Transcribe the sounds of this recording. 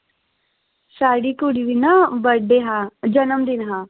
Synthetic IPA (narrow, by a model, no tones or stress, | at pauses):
ʃaːɽikuɽiʋinabɐɖeɦad͡ʒɐnəmd̪inɦa